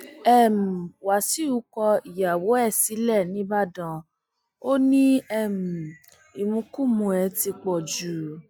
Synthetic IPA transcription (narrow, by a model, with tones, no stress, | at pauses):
ɛ˦˨m̩˨wa˨si˨˦u˦kɔ˧i˨ja˨wo˨˦ɛ˦˨si˨˦lɛ˦˨nĩ˨˦ba˦˨dã˧˨ | o˦nĩ˦ɛ˦˨m̩˨ | i˨mũ˧kũ˦˨mũ˧ɛ˨˧ti˧k͡pɔ˨d͡ʒu˨